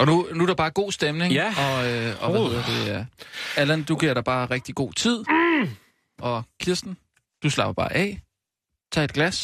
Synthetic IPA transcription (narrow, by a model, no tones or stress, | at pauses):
ɒ̽nunuæɾɑ̈b̥ɑ̈ːɡ̥o̝̰ːsd̥emne̝ŋɒ̽øɒ̽ʋæiðˠɐd̥e̝æælænd̥uɡ̥iɐɾ̥ɑ̈b̥ɑ̈ːʁɛɡ̥̚d̥iɡ̥o̝̰ːt͡sʰið̞̰ˠ | ʔɒ̽kʰiɐsd̥n̩ | d̥uslɑ̈b̥ɐb̥ɑ̈ːʔɛ̰ː | t͡sʰɑ̰ːed̥̚ɡ̥læs